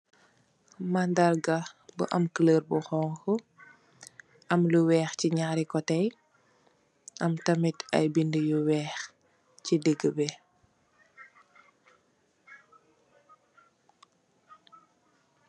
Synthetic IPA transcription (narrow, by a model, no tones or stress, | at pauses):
mandarɡɐbə̰ʔɐmkələːrbuxɔːŋkɔ | ʔɐmluwɛːxciɲaːɾikɔtɛj | ʔɐmtɐmitɐ̰jbindəjuwɛːx | cideɡːəbɛ